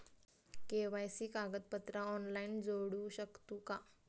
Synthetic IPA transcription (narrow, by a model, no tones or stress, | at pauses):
keʋajsiːkaɡət̪̚pət̪ɾaɔnlaind͡zoɽuːɕəkt̪uːka